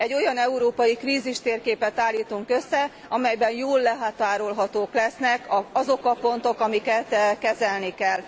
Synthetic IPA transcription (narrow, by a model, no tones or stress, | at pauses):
ɛɟːo̞jɒnɛuɾoːpɒjikriːziʃt̪eːrkeːpɛt̪aːlːiːt̪uŋkø̞sːɛ | ɒmɛjbɛnjoːlːɛɦaːt̪aːɾo̞lɦɒt̪oːklɛsnɛkɒɒzo̞kɒpo̞nt̪o̞kɒmikɛt̪kɛzɛlnikɛl